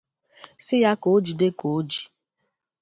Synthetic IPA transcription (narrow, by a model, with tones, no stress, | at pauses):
sɪ˦ja˦ko˨˦d͡ʒi˨de˦ko˨˦d͡ʒi̥˨